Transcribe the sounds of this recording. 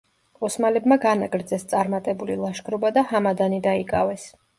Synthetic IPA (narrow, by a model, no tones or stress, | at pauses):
ɔsmalɛbmaɡanaɡʼɾd̪zɛst̪sʼaɾmat̪ʼɛbulilˠaʃɡɾɔbad̪ahamad̪anid̪aikʼavɛs